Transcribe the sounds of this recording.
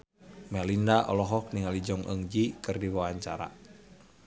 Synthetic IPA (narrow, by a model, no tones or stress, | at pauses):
mɛlindaʔɔ̰lɔɦɔk̚niŋalid͡ʒɔŋʔə̰ŋd͡ʒikɨrdiwawaɲt͡ʃa̰ɾa̰